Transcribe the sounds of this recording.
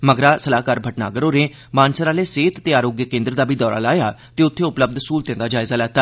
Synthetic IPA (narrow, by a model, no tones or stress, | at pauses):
məɡɾaːsəlaːkaːɾbʱəʈna̰ːɡəɾoːɾẽː | maːnsəɾaːleːseːt̪t̪eːaːɾoːɡjəkẽːnd̪ɾd̪aːbʱiːd̪ɔːɾa̰ːlaːjaːt̪eːʊt̪ʰːeːʊpləb̚d̪ʱsuːlt̪ẽːnd̪aːd͡ʒaːɪzaːlɛːt̪aː